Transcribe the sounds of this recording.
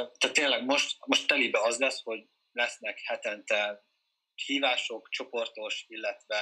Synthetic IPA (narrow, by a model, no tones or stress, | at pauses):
t̪at̪ːeːnlɛɡmo̞ʃt̪mo̞ʃt̪t̪ːɛlibɛɒzlɛsho̞ɟ | lɛsnɛkhɛt̪ɛnt̪ɛ | hiːvaːʃo̞kt͡ʃo̞po̞rt̪o̞ʃilːɛt̪ʋɛ